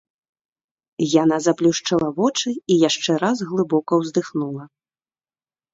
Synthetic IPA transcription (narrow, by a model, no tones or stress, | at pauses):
janazaplʲuʂt͡ʂalˠɐvɔt͡ʂɨijaʂt͡ʂɛɾazɣlˠɨbɔkɐwzd̪ɨxnulˠɐ